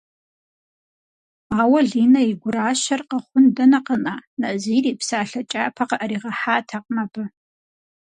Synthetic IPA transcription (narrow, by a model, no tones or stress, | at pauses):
aːwɐɮiːnɐiɡʷʊɾaːʃɐrqɐχʷʊndɐnɐqənaːnɐziːriːpsaːɬɐt͡ʃʼaːpʰɐqɐʔɐɾiːʁɐħaːtʰɐq̚ʼmɐbɨ